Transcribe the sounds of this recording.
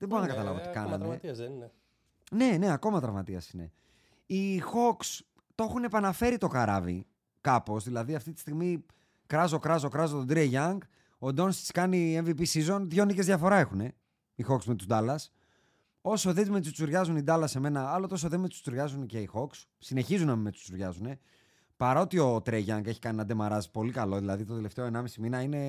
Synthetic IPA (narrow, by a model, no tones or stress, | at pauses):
ðeboɾonɐkɐt̪ɐlɐ̰voot̪ikɐnɐne | ne̞ne̞ɐko̞mɐt̪ɾɐvmɐt̪iɐ̰sine̞̰ | ixo̞ks | t̪o̞xune̞pɐnɐfe̞ɾit̪o̞kɐɾɐ̰vḭ | kɐpo̞zðilɐðiɐft̪it̪i̥st̪iɣmi | kɾɐzo̞kɾɐzo̞kɾɐzot̪od̪ɾieʝɐŋɡ | o̞d̪o̞nst̪i̥skɐnie̞ɱvipisizo̞nðʝo̞nice̞zðʝɐfo̞ɾɐe̞xune̞ | ixo̞ksme̞t̪uzd̪ɐlɐs | o̞so̞ðezme̞t̪ust͡suɾʝɐzunid̪ɐlɐse̞me̞nɐɐlot̪osoðemet̪u̥st͡suɾʝɐzunce̞ixo̞ks | sine̞çizunɐmimet̪u̥t͡suɾʝɐzune̞ | pɐɾɐot̪io̞t̪ɾeʝɐŋɡe̞çi̥kɐninɐd̪e̞mɐɾɐzi̥po̞likɐlo̞ðilɐðit̪ot̪ele̞ft̪e̞oe̞nɐmisiminɐine̞